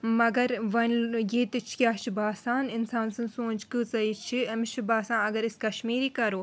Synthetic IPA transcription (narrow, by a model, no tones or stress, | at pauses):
mɐɡɐɾʋɐnjeːt̪ɨt͡ʃʰkʲaːt͡ʃʰibaːsaːnɪnsãːnsɨ̃nsõːnt͡ʃkɨt͡sɐit͡ʃʰiɐmʃʰibaːsãːnɐɡɐɾɪskɐʃmiːɾiːkɐɾoː